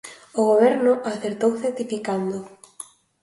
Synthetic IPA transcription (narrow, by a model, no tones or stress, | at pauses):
oɣoβɛɾnʊʔaθeɾt̪owθeɾt̪ifikand̪ʊ